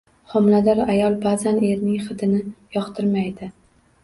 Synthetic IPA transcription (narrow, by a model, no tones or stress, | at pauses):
χɒmlad̪aɾajɒlˠbaːzane̞ɾnɪŋχɨd̪ɪnɪjɒqt̪ʰɪɾmajd̪ɪ